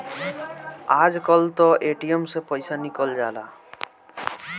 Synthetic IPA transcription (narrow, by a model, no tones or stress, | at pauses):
ad͡ʑkɔlt̪ɔʔeʈiemsepɔjsanikɔld͡ʑala̰